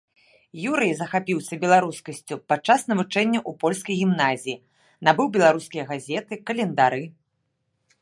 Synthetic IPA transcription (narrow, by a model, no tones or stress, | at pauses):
juɾɨjzɐxapʲiwsʲɐbʲɛlˠaɾuskɐsʲt͡sʲupat͡ʂːasnɐvut͡ʂɛnʲːɐʔupɔlʲskɐjɣʲimnazʲiji | nabɨwbʲɛlˠaɾuskʲijɐɣazʲɛt̪ɨkɐlʲɛnd̪aɾɨ